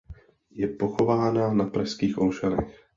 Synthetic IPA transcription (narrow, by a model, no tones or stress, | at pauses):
jɛpoxovaːnanapɾaskiːxʔolʃanɛ̰x